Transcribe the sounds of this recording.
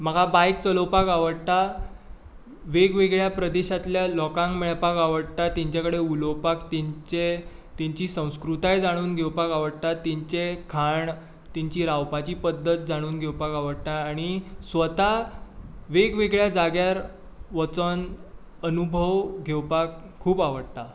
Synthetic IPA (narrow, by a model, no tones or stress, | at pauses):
m̤əɡabajkt͡səlowpakaʋəɽt̪a | ʋeɡʋeɡɭjapɾəd̪eɕat̪ljalɔkãŋɡmeɭpakaʋəɽt̪at̪iɲt͡ɕakəɽeulowpakt̪it͡ɕet̪iɲt͡ɕiːsə̃w̃skɾut̪ajd͡zaɽ̃uːnɡʱewpakaʋəɽt̪at̪ɛɲt͡ɕekʰaɳ | t̪iɲt͡ɕiːɾawpat͡ɕiːpəd̪ːət̪̚d͡zaɽ̃uːnɡʱewpakaʋəɽt̪aːɽ̃isʋət̪a | ʋeɡʋeɡɭjad͡zaɡjaɾ | ʋət͡sən | ənubʱəʋɡʱewpakʰːuːpaʋəɽt̪a